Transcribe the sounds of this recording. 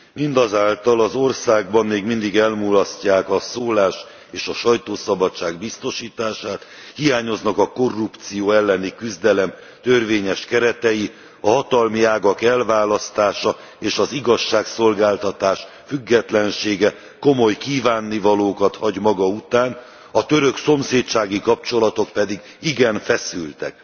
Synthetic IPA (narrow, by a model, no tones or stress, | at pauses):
mind̪ɒzaːlt̪ɒlɒzo̞rsaːɡbɒnːeːɡmind̪iɡɛlmuːlɒscːaːkɒsoːlaːʃ | eːʃɒʃɒjt̪oːsɒbɒt͡ʃːaːɡbist̪o̞ʃiːt̪aːʃaːt̪ | hijaːɲo̞znɒkɒko̞rːupt̪sijoːɛlːɛnikyzd̪ɛlɛm | t̪ørveːɲɛʃkɛɾɛt̪ɛji | ɒɦɒt̪ɒlmiaːɡɒkɛlvaːlɒst̪aːʃɒ | eːʃɒziɡɒʃːaːkso̞lɡaːlt̪ɒt̪aːʃ | fyɡːɛt̪lɛnʃeːɡɛ | ko̞mo̞jkiːvaːnːivɒloːkɒt̪hɒɟmɒɡɒut̪aːn | ɒt̪ø̞ɾøkso̞mseːt̪t͡ʃaːɡikɒp̚t͡ʃo̞lɒt̪o̞kpɛd̪iɡ | iɡɛnfɛsylt̪ɛ̰k̚